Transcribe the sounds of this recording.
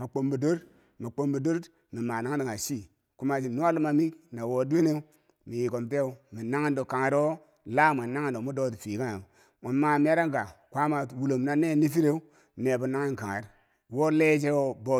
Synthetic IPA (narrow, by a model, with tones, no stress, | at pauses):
ma˨k͡po˨mbu˨do˦ɾ | mi˨k͡po˦mbu˨do˦ɾd | mi˨ma˨na˦ŋ˦i˨ŋa˨ʃi˦ | ku˦ma˨d͡ʒi˨nu˦a˦lu˦ma˨mi˦kna˨wo˨˦de˦ne˦u˦ | mi˨ji˨ko˨mte˦˨u˦mi˨na˦ŋa˦ndo˨ka˨ŋa˨ɾo˦ | la˦˨me˨na˦ŋa˨n˨do˨mu˦do˦ti˨fi˨ka˦na˨ | mo˨ma˨mi˦a˦ɾa˦ŋ˦ɡa˨kʷa˦ma˨wu˨lo˨mna˦ne˦˨ni˦fi˦ɾe˦u˦ | ne˨bu˨na˦ŋi˦ŋka˨ŋa̰˨ɾ | wo˦le˦d͡ʒe˦o˨bo˦